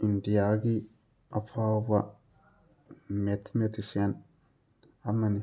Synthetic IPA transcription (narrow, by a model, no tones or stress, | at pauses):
indijaɡi | afʰawba | met̪met̪isen | amːan